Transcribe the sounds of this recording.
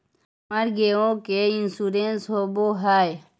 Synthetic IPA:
mɐɾɡeõːkeinsuɾeːnsɦoboːɦaːj

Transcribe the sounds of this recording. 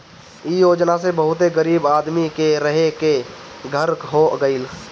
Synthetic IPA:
ijoːd͡ʒnasebəɦʊt̪eɡəɾiːbaːd̪mikeɾəɦeke | ɡʱəɾkɦoɡəɪl

